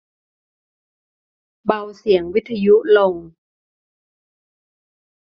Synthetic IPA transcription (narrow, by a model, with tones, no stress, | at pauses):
ba˧wsi˨˩˦əŋwi˦˥t̪ʰːa˧ju˦˥ʔlo˧˩ŋ